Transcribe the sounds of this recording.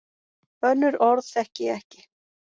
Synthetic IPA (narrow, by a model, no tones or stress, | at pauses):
œnːʏɾɔɾðθɛhcɪɛhcɪ